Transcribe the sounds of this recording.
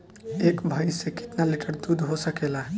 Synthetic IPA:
eːkbʱaːisekɪ̥t̪nalɪʈəɾd̪uːd̪ʱɦosəkeːlaːɦ

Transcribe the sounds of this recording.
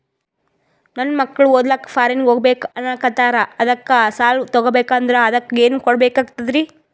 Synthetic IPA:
nɐnːmɐkːɐɭuɔd̪lakːɐ̥pʰaːɾenɡoːɡbeːkɐnːakɐt̪aːɾɐɐd̪ɐkːɐsaːlt̪ɔɡobeːkaːnd̪ɐɾeɐd̪ɐkːɐeːnukɔɽbeːkaːɡ̚t̪ɐd̪ɾi

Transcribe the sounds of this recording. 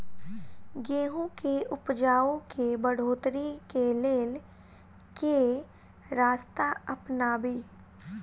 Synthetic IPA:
ɡeːɦõkeʔʊpd͡ʒaːõkebəɽ̤oːt̪ɾikeleːl | ke | ɾaːst̪aəpnaːbiː

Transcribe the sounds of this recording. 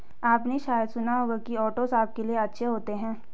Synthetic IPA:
aːpneʃaːjəd̪sʊnaɦoːɡakiɔːʈozaːp̚kelieɐtːʃʰeɦoːt̪eɦɛ̃ː

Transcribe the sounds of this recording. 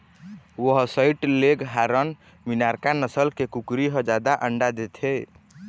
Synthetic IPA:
wəɦsəiʈleɡɦaɾən | minaɾkanəsəlkekukɾiɦə̃d͡ʒad̪aʔəɳɖad̪et̪ʰe

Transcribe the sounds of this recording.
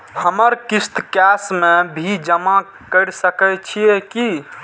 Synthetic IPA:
həməɾkist̪kɛsmebʱid͡ʒəma | kəɾsəkət͡ʃʰijeki

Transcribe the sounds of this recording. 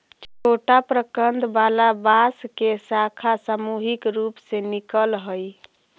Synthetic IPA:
t͡ʃʰoʈapɾəkənd̪balabaskesakʰasamuɦikɾupsenikəlɦoj

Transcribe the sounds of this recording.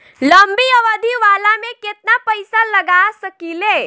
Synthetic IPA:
ləmbiəʋəd̪ʱiʋaːlamẽket̪̚napəjsaləɡasəkile

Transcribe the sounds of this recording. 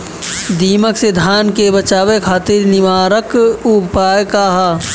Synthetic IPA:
d̪iːməksed̪ʱaːnkebɐt͡ʃaːʋekʰaːt̪ɪɾnɪʋaːɾəkupaːjkaːɦa

